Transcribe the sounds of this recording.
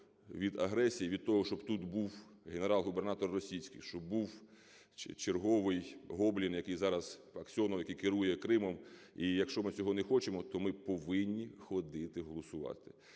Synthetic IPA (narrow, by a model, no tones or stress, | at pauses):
ʋʲid̪ɐɦɾɛsʲijiʋʲid̪̚t̪ɔɦɔʃt͡ʃɔbt̪ut̪buwɦeneɾɑlˠɦube̞rnɑt̪ɔrːɔsʲijsʲkɪjʃt͡ʃɔbuw | t͡ʃerɦɔʋɪjɦɔblʲinjɐkɪjzɑɾɐz̥ | ɐksʲiɔnɔwjɐkɪjkɪɾujɛkɾɪmɔmijɐkʃt͡ʃɔmɪt͡sʲɔɦɔnɛxɔt͡ʃemɔt̪ɔmɪpɔʋɪnʲːixɔd̪ɪt̪ɪɦɔlˠɔsʊʋɑ̰t̪ɪ̥